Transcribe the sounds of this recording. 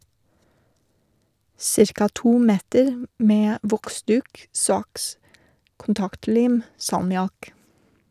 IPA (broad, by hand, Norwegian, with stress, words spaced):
ˈsɪɾkɑ ˈtuː ˈmeːtəɾ ˈmeː ˈʋɔkˌsdʉːk ˈsɑks kʊnˈtɑktˌliːm sɑlmɪˈɑk